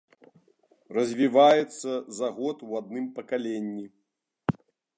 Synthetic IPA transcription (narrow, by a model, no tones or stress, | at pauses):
rɐzʲvʲivajɛt̪sːɐzaɣɔt̪wad̪nɨmpɐkalʲenʲːi